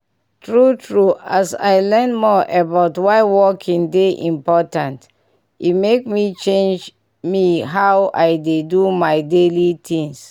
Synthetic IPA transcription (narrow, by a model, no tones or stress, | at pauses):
tɹutʰɹuasa̰jlɛnmɔʔəbaʊtwaɪwɔkʰĩŋdeʔḭ̃mpɔtãnt | itmekmit͡ʃẽnd͡ʒ | miɦawa̰jdedumaɪdelitʰĩŋs